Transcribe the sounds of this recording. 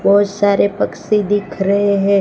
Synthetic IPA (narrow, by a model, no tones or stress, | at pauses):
bɔɦʊt̪saːɾepɐksid̪ɪkʰɾɐɦeɦɛ̃ː